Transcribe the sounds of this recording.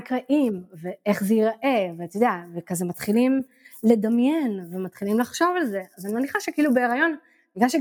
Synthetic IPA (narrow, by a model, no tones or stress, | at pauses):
kʁaʔimve̞eχzejiʁʔe̞vet̪ojod̪eavekazemat̪χilim | le̞d̪amjenvemat̪χilimlaχʃo̞valze̞azanimeniχaʃekeilubeːʁajo̞n | biɡlanʃe